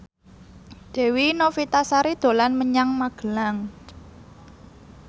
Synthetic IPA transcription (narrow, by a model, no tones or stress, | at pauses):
d̪̥e̤winofit̪asaɾid̪̥o̤lanməɲaŋmaɡ̥ə̤laŋ